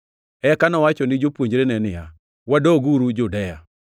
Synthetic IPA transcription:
ɛkanɔwat͡ʃɔnɪd͡ʒopwoɲd͡ʒɾenɛnɪja | wadoɡuɾud͡ʒʊdɛja

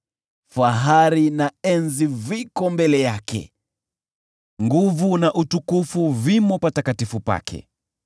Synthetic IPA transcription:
faɦaɾinaɛnzivikɔmbɛlɛjakɛ̰ | ŋɡuvunaʔutukufuvimɔpatakatifupa̰kʰɛ̰

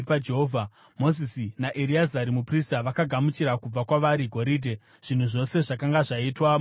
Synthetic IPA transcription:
pad͡ʒeɦovʱa | mo̞zisinaʔeɾiazaɾimupristaʋakaɡʱamut͡ʃiɾakub͡vakwaʋaɾiɡʱo̞ɾidʱe | ʐ̥in̤uʐo̞se̞ʐakaŋɡaʐaitwam

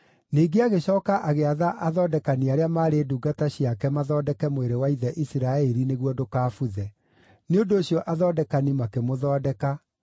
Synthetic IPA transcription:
niːɡeaɣeɕɔːkaʔaɣeaðaʔaðɔːdɛkaniaɾeamaːɾeduːɡataɕijakɛmaðɔːdɛkɛmoeɾewaiðɛʔisiɾaɛɾineɣwɔdokaːfuðɛ | neondoːɕjɔʔaðɔdɛkanimakemoðɔːdɛka

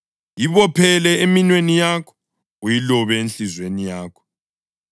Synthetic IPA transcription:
jiβɔpʰɛlɛeminwenijakʰɔ̥ | ujilɔβɛenɬizwenijaːkʰɔ̥

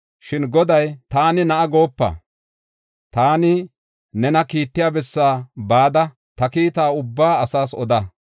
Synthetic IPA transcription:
ʃɪnɡɔd̪ɐjt̪aːnɪnɐʔɐɡo̞ːpːɐ̰ | t̪aːnɪ | nɛnɐkiːt̪ːɪjaːbɛsːaːbaːd̪ɐ | t̪ɐkiːt̪aːʊbːaːɐsaːsɔ̰d̪ɐ

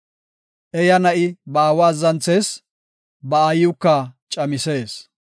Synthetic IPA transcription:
ʔɛjɐnɐʔɪbɐːwaːzɐnt͡sːeːs | bɐːjʊkːɐt͡ʃʼɐmɪseːs

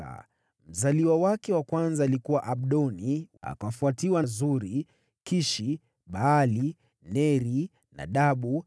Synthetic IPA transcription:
a̰ | m̩zaliwawakɛwakwanzaːlikuwaʔaɓɗɔnia̰kafuatiwazuɾi | kiʃi | ɓaːli | nɛɾi | na̰ɗaɓu

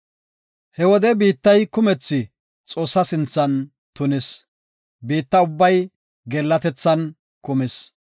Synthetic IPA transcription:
hɛwɔd̪ɛbiːt̪ːɐjkʊmɛt͡sːɪ | t͡sʼo̞ːsːɐsɪnt͡sːɐn | t̪ʊnɪs | biːt̪ːɐʊbːɐj | ɡɛlːɐt̪ɛt͡sːɐn | kʊmɪs

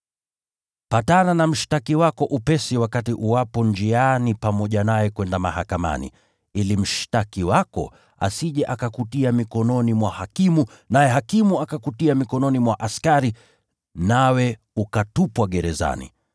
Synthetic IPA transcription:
patananam̩ʃi̥takiwakɔʔupɛsiwakatiʔuwapɔnd͡ʒianipamɔʄanajɛkwɛndamahakama̰nḭ | ilim̩ʃi̥takiwakɔ̰ | a̰siʄɛʔakakutiamikɔnɔnimwahakimu | najɛɦakimuakakutiamikɔnɔnimwaʔaskaɾi | nawɛ | ukatupwaɠɛɾɛza̰nḭ

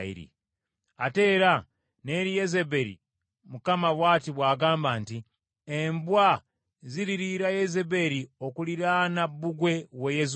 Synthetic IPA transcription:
ḭɾḭ | ate̞ːɾa | ne̞ɾijezebe̞ɾḭ | mukamaβwaːtiβwaːɡaːmbaːnti | embwa | ziɾiɾiɾajezebe̞ɾiokuliɾanabuɡwe̞wejes

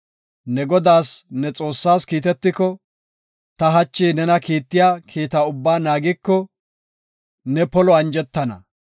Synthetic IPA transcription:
nɛɡɔd̪aːsnɛt͡sʼo̞ːsːaːskiːt̪ɛt̪ːɪkɔ | t̪ɐɦɐt͡ʃːiːnɛnɐkiːt̪ːɪjaːkʰiːt̪aʊbːaːnaːɡɪkːɔ | nɛpɔlɔɐnd͡ʒɛt̪ːɐnɐ̰

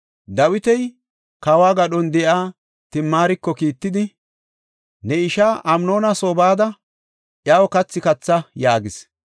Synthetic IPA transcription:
d̪ɐwɪt̪ɛj | kawaːɡɐɗɔnd̪ɛʔaː | t̪ɪmːaːɾɪkːɔkiːt̪ːɪd̪ɪ | nɛɪʃaːʔɐmno̞ːnɐsoːbaːd̪ɐ | ʔjaːwɔkɐt͡sːɪkɐt͡sːɐjaːɡɪs

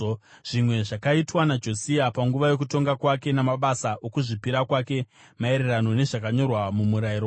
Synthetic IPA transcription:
ʐ̥imwe̞ʐakaitwanad͡ʒo̞siapaŋɡuʋajo̞k̬uto̞ŋɡakwake̞namaɓasaʔo̞kuʐipiɾakwake̞ | maeɾerano̞ne̞ʐakaɲo̞rwamumuɾaiɾo

